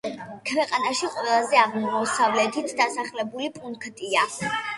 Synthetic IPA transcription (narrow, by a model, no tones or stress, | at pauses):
kʰwɛqʼanaʃiqʼwɛlˠazɛaʁmmɔsavlɛt̪ʰit̪ʰd̪asaχlɛbulipʼunkʰt̪ʼia